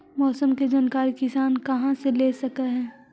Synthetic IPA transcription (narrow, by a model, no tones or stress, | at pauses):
mɔːsəmked͡ʒaːnkaːɾikɪsaːnkɐɦãseleːsɐkaɦɛ̃ː